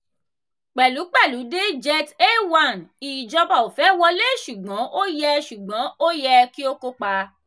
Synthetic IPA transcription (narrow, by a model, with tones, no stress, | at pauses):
k͡pɛ˨lu˨˦k͡pɛ˦˨lu˨˦de˦d͡ʒɛ˧te˦˨wa˦˨ni˨d͡ʒɔ˧ba˨o˨fɛ˨˦wɔ˧le˦˨ʃu˨ɡ͡bɔ̃˨˦ʔo˦jɛ˧ʃu˨ɡ͡bɔ̃˨˦o˦jɛ˧ki˦o˦ko˦k͡pa˧